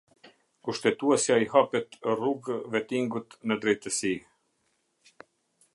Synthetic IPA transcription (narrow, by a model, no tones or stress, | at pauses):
kuʃt̪ɛt̪uɛsjaihapɛt̪ruɡvɛt̪iŋɡut̪nəd̪ɾɛjt̪əsi